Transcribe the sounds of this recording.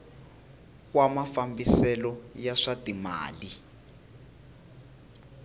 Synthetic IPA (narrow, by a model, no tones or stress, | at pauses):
kwamafambisɛlɔjaʂatima̰ːli